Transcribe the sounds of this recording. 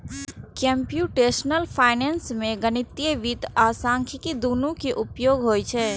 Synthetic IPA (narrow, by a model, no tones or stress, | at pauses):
kẽmpjuʈeːʃnəlpʰaːɪnensmẽɡənɪt̪ijəʋit̪aːsãːŋkʰikid̪uːnũkeʔʊpjoːɡɦoːjt͡ʃʰɛː